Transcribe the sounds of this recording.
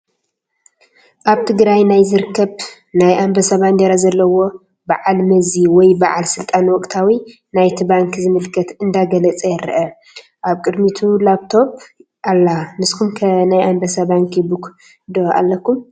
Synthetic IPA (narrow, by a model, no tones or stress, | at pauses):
ʔaβt̪ʰɨɡɾajnajzɨɾkʰːɐβ | najʔambɐsɐβand̪ɐɾazɐlːɐwo̞ | baʕalmɐziwɔjbaʕalsɨlt̪ʼanwɔkʼt̪ʰawi | najt̪ʰibaŋkzɨmɨlkʰɐt̪ɨnd̪aɡɐlɐt͡sʼɐjɛɾ̰ʔɐ | ʔaβkʼɨd̪mit̪ʰulaβt̪ʰo̞b | ʔalːanɨskʰumkʰɐnajambɐsɐbaŋkjbuk | d̪oʔa̰lːɐkʰːum